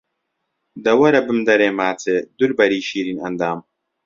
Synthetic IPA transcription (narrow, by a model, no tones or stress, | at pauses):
dɐwɐɾɐbɨmdɐɾeːmaːt͡sʰeduɾbɐɾiʃiːɾinɐndaːm